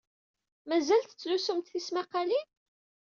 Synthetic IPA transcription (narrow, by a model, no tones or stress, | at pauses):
mæzælt̪ət͡sːlusumt̪θismæqɑlin